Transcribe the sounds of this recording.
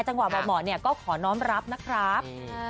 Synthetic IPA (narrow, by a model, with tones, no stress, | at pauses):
t͡ɕa˧ŋwa˨˩bɔː˨˩mɔː˨˩ni˥˩ɐkɔː˥˩kʰɔː˩˦nɔː˦˥mɾa˦˥p̚na˦˥kʰɾaː˦˥p̚